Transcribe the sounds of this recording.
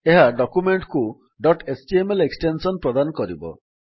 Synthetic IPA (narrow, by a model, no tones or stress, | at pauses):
eɦaɖɔkumeɳʈku | ɖɔʈesʈiemeleksʈensɔnpɾɔd̪anɔkɔɾibɔ̰